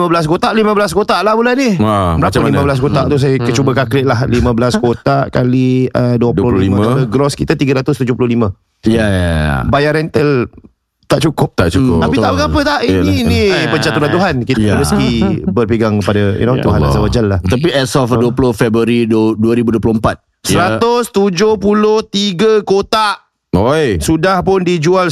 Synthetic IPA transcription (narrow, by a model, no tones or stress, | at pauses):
mə̃bəlas̬kot̪aʔlimə̃bəlaskot̪aʔlahbulanihaməɾapəlimãbəlas̬kot̪aʔt̪us̬ajəkət͡ʃubəkaklɪʔlahlimə̃bəlaskot̪aʔkaliəduəpdloliimə̃aləɡɾɔskit̪at̪iɡəɾat̪ʊst̪ud͡ʒʊhpulʊhlimə̃ | jjajbajaɾɛnt̪əl | t̪aʔt͡ʃukʊp̚t̪at͡ʃukʊapit̪aʔbəɡapət̪aininpəd͡ʒat̪uat̪uɦankit̪məsk̪ibərpiɡaŋkəpadajṵnot̪uhanna̰zawad͡ʒalːaht̪ap̬iʔɛsɔfduəpulʊhfɛbɾəɾidduəɾibuduəplompat̪̚ | sɾat̪ʊst̪ud͡ʒohpulʊht̪iɡəkot̪aʔ | ojsudahpʊndid͡ʒual